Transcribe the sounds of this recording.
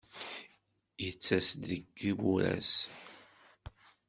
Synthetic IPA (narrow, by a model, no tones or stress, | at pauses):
jət͡sːæsd̪ðəɡːibuɾæ̰s